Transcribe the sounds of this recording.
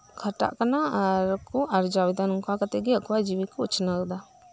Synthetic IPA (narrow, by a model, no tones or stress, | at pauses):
kʰəʈa̰ʔkanaaɾkuʔaɾd͡ʒawid̪anuŋkakat̪ɛɡɛakuwad͡ʒiwikɔut͡ʃʰnad̪a